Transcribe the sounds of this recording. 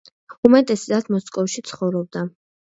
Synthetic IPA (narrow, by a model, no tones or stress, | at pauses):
umɛt̪ʼɛszat̪ʰmɔskʼɔfʃit̪sʰχɔvɾɔb̚d̪a